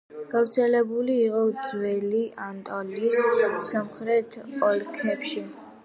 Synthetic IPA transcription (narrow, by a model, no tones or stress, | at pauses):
ɡ̥avɾt̪sʰɛlɛbuliːqʼɔd̪zwɛliʔant̪ʼɔlissamχɾɛt̪ʰɔlkʰɛpʃi